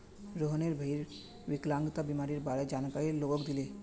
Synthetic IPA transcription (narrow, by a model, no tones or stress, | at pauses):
ɾoɦəneɾbʱəiɾ | ʋɪklãŋɡt̪abimaːɾiɾbaːɾed͡ʒaːnkaiɾloːɡokd̪ile